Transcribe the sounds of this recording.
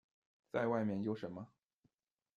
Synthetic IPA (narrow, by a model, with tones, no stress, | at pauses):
t͡sa˥˧ɪwa˥˧ɪmjɛ˥˩njo˧˥ʊʂə˧˥nmə˧